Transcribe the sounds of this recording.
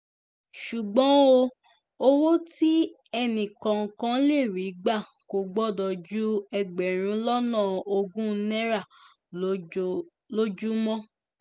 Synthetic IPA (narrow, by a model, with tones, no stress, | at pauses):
ʃu˨ɡ͡bɔ̃˨˦o˧ | o˦wo˦ti˦ | ɛ˧nĩ˨kã˨kã˦le˦˨ɾi˨˦ɡ͡ba˦˨ | ko˨ɡ͡bɔ˦dɔ˨d͡ʒu˦ɛ˧ɡ͡bɛ˨ɾ̃ũ˨˦lɔ˦nã˦˨o˧ɡũ˦˧˦nɛ˦ɾa˦˨ | lo˦d͡ʒu˦mɔ̃˦